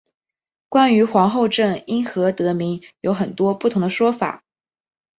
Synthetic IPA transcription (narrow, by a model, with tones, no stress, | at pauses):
kwa˥ny˧˥xwɑ˧˥ŋxo˥˧ʊʈ͡ʂɤ˥˩ŋi˥nxɤ˧˥t̪ɤ˧˥mi˧˥ŋjo˧˥ʊxə˨˩nt̪wɔ˥pu˥˩t̪ʰʊ˧˥ŋd̪ə˧ʂwɔ˥fa̰˨˩˦